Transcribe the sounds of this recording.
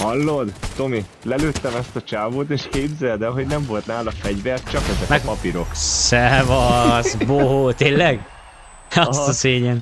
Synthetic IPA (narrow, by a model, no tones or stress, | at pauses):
hɒlːod̪t̪o̞mi | lɛløːt̪ːɛmɛst̪ɒt͡ʃaːvoːt̪eːʃkeːbzɛld̪ɛɦo̞ɟnɛɱvo̞lt̪naːlɒfɛɟvɛrt̪t͡ʃɒkɛzɛmɛkɒpiɾo̞ksɛvɒzboɦoːt̪eːllɛɡ | ɒst̪ɒseːɲɛn